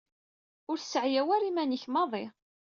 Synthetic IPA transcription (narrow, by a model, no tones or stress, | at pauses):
ʊɾsəʕjæwæɾimænəçmɑðˤɪ